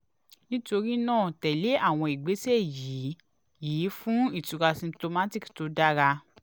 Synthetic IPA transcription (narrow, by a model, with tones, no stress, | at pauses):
nĩ˦to˧ɾi˦nãː˦˨tɛ˨le˨˦a˦˨w̃ɔ̃˧i˨ɡ͡be˨˦se˦˨ji˨˦ | jiː˨˦fũ˦i˦˨tu˨˧ɾa˧sĩ˧to˧ma˦ti˦˨kto˨˦da˦ɾa˧